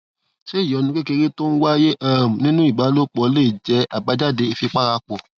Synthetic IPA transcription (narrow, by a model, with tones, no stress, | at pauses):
ʃe˦i˦˨jɔ˨˧nĩ˧˦k͡pe˦ke˧ɾi˦to˦n̩˦wa˦je˦ʔa˦˨m̩˨nĩ˦nũ˦i˦˨ba˨˦lo˦k͡pɔ˧le˦˨d͡ʒɛ˨˧a˨ba˨˦d͡ʒa˦˨de˧i˧fi˧k͡pa˦˨ɾa˧˦k͡pɔ˨